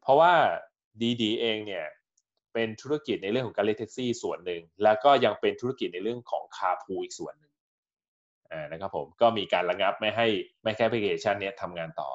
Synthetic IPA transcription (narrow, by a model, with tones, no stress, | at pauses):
pʰɔ˦˥waː˥˩ | diː˧diː˧ʔeː˧ŋni˥˩ɐ | pe˧nt̪ʰu˦˥a˥ki˨˩t̪̚na˧jɾɯ˥˩əkʰɔ˩˦˥kːa˧li˦˥t̪ʰe˦˥k̚siː˥˩su˨˩˦ənːɯ˨˧ŋlɛː˦˥wkɔː˥˩ja˧ŋpe˧nt̪ʰu˦˥ki˨˩na˧jɾɯ˥˩əŋkʰɔː˩˦ŋkʰaː˧pʰuː˧ʔiː˨˩k̚su˨˩˦ənːɯ˨˩ŋ | ʔaː˨˩na˦˥kʰa˦˥pʰːo̰˩˦mkɔː˥˩miː˧kaː˧nɾa˧ŋa˦˥p̚ma˥˩jɦa˥˩jma˥˩jkʰa˥˩ʔpʰli˧kʰeː˧˩t͡ɕʰa˥˩nːi˦˥ɐt̪ʰa˧mŋaː˧nt̪ɔ̰ː˨˩